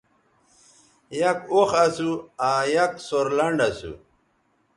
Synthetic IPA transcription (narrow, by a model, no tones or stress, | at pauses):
jɐkoxɐsuaːjɐksoɾlɐɳɖɐsṵ